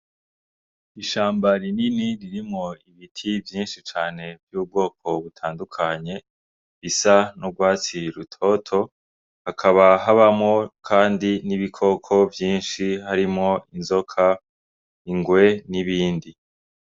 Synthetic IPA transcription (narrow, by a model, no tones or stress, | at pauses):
iʃaːmbaɾininiɾiɾimŋo̞iβitʰivjiːnʃit͡ʃaːne̞vjuːb̚ɡo̞ːk̚o̞βutʰaːndukʰaɲe̞ | βisanoɡwaːt͡siɾutʰo̞tʰo̞ | hakʰaβaɦaβamŋo̞kʰaːndiniβikʰo̞kʰo̞vjiːnʃihaɾimŋo̞inzo̞kʰa | iŋɡwe̞niβiːndi